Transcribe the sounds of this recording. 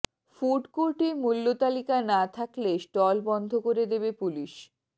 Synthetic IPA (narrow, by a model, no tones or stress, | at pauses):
fuɖkuɾʈimulːot̪alikanat̪ʰaklesʈɔlbɔnd̪ʱokoɾed̪ebepuliʃ